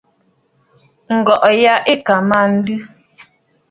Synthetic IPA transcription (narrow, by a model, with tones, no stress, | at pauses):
ŋ̩˨ɡɔ˨ʔja˦ʔe˦˨ka˨ma˦˨n̩˦dʉ˦